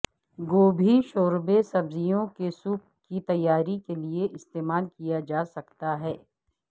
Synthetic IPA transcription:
ɡoːbʱiʃoːɾbesɐbzijõkesuːp̚ | kit̪ɐjːaːɾikelieʔɪst̪eːmaːlkijad͡ʒaːsɐkt̪aɦɛː

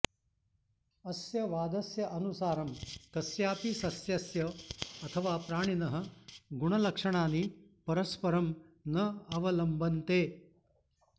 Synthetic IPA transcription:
ɐsjɐʋaːd̪ɐsjɐʔɐnusaːɾɐmk̪ɐsjaːpisɐsjɐsjɐɐt̪ʰɐʋaːpɾaːɳ̃inɐɦɐ̆ɡuɳɐlɐkʂɐɳ̃aːnipɐɾɐspɐɾɐmnɐɐʋɐlɐmbʱɐnt̪eː

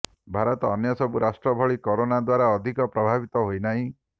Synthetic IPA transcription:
bʱaɾɔt̪ɔːnjɔsɔbuɾasʈɾɔbʱɔɭikoɾonad̪waɾaɔd̪ʱikɔpɾɔbʱabit̪ɔɦojnaɦĩ

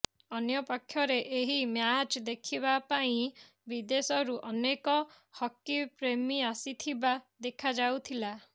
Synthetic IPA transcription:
ɔnjɔpakʰjɔɾeʔeɦimjat͡ʃd̪ekʰiβapaĩ | bid̪esɔɾuʔɔnekɔ | hɔkːipɾemiasit̪ʰibad̪ekʰad͡ʒawt̪ʰila

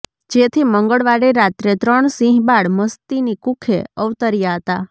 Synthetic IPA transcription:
d͡ʒet̪ʰiməŋɡəɭʋaɽeɾat̪ɾet̪ɾəɳsĩɦbaɽməst̪inikukʰeəʋt̪əɾjaɦət̪a

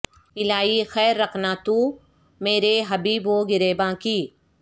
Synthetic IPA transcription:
ɪlaːixɛːɾːɐkʰnat̪ũ | meːɾeɦɐbiːboɡɪɾeːbãːkiː

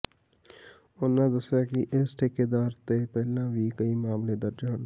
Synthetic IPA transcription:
ʊnːãd̪ʊsɾakiʔɪsʈʰeːked̪aːɾt̪epɛɦlãbʱikɐimaːmled̪əɾd͡ʒaːn

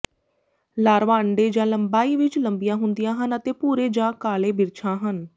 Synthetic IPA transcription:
laːɾʋãːəɳɖeːd͡ʒãːləmbaːiːʋɪt͡ʃləmbijãːɦʊnd̪ijãːɦənət̪eːpuːɾeːd͡ʒãːkaːleːbɪɾt͡ʃʰãːɦən

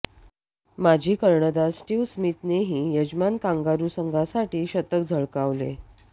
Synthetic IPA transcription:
mad͡ʑʱiːkəɾɳəd̪asʈiːʋsmit̪neɦiːjəd͡ʑmankãŋɡaɾuːsəŋɡʱasaʈiːɕət̪əkd͡zʱəɭkaʋlḛ

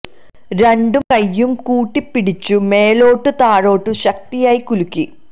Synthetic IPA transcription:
ɾe̞ɳɖumkɐjːumkuːʈːipːiɽit͡ɕːumeːloːʈːut̪aːɻo̞ːʈːuɕɐk̚t̪ijaːjikulukːi

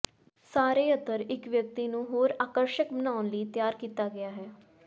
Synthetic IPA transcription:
saːɾeːət̪ːəɾɪkʋjək̚t̪iːnũːɦoːɾaːkəɾʃəkbənaːʊnləiːt̪jaːɾkiːt̪aːɡɪaːɦɛː

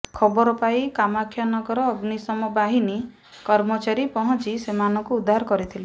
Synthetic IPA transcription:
kʰɔbɔɾɔpajkamakʰjɔnɔɡɔɾɔːɡnisɔmɔbaɦini | kɔɾmɔt͡ʃaɾipɔɦɔ̃nt͡ʃisemanɔkuud̪ʱːaɾɔkɔɾit̪ʰile

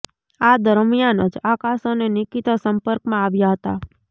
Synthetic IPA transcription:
ad̪əɾmijanə̰d͡ʒakasonenikit̪asəmpəɾkmãaʋjaɦət̪a

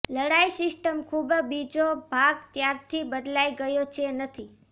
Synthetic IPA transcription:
ləɽaisɪsʈəmkʰubbid͡ʒobʱaɡt̪jaɾt̪ʰibəd̪laiɡəjot͡ʃʰenət̪ʰi

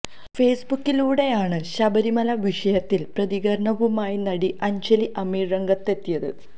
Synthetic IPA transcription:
fe̞ːsbukːiluːɽe̞jaːɳɨɕɐbɐɾimɐlɐʋiʂɐjɐt̪ːilprɐðiɣɐɾɳɐʋumaːjinɐɽiʔɐɲd͡ʑɐliʔɐmiːrɐŋɡɐt̪ːe̞t̪ːijɐðɨ̰

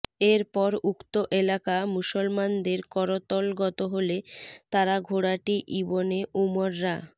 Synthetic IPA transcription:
eɾpɔɾukt̪oʔelakamuʃolmand̪eɾkɔɾot̪ɔlɡɔt̪oɦolet̪aɾaɡʱoɽaʈiʔiboneʔumoɾːa

